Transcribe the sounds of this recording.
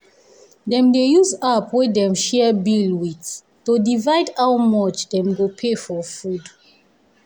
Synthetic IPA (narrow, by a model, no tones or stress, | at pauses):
dɛ̃mdejuzapwedɛ̃mʃɛbilwit | todivaɪdawmɔt͡ʃdɛ̃mɡopʰefɔfud